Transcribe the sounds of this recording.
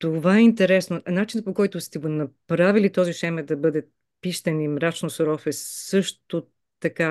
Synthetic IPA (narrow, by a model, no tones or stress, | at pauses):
t̪ovaɛint̪ɛɾɛsnonat͡ʃinəpokɔjt̪ʊst̪ɛɡonɐpɾavilit̪ɔziʃɛmɛd̪ɐbɤd̪ɛ | piʃt̪ɐnimɾat͡ʃnosoɾɔfɛsɤʃt̪o | t̪ɐka